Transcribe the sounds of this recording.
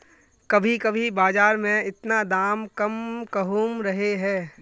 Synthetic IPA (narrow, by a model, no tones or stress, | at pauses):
kɐbʱikɐbʱibaːzaːɾmẽɪt̪nad̪aːmkɐmkɐɦũmɾɐɦeɦɛː